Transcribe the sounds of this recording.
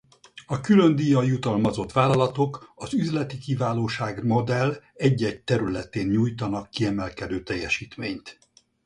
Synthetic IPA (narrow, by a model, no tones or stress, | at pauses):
ɒkylønd̪ijɒjut̪ɒlmɒzo̞t̪ʋaːlɒlɒt̪o̞kɒzyzlɛt̪ikivaːloːʃaːɡmo̞d̪ɛlɛɟːɛɟt̪ɛɾylɛt̪eːnɲuːjt̪ɒnɒkːiɛmɛlkɛd̪øːt̪ɛjːɛʃiːt̪meːɲt̪